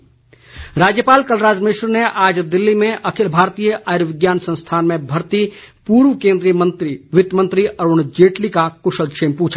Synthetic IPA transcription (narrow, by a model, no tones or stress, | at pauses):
ɾaːd͡ʒjəpaːlkəlɾaːd͡ʒmɪʃɾneʔaːd͡ʒd̪ɪlːimẽʔɐkʰɪlbʱaːɾt̪ijəʔajɾʋɪɡjaːnsə̃ñst̪ʰaːnmẽbʱɐɾt̪ipuːɾʋkẽːnd̪ɾijəmə̃nt̪ɾiʋɪt̪jmə̃nt̪ɾiʔɐɾoːɳ̃d͡ʒeːʈlikakʊʃəlkʃʰeːmpũːt͡ʃʰa